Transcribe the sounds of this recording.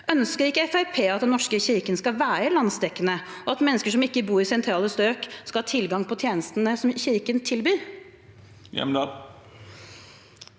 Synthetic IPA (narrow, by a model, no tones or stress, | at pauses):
ʔœnskəɾɪkːəɛfæɾpʰeːɑt̪̚d̪ɛnːɔʂkəçɪɾkənskɑʋæːɾəɪlɑnsd̪ɛkːənə | ɔɑt̪mɛnːəskəʂɔmɪkːəbuːɾɪsɛnt̪ʰɾɑːləst̪øːkskɑhɑːt̪ʰɪlɡɑŋpʰɔt̪ʰjeːnəst̪ənəsɔmçɪɾkənt̪ʰɪlbyːɾ | jɛ̰mɑ